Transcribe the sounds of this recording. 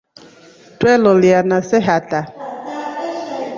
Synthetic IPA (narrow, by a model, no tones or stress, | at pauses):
twɛlɔlianasɛɦata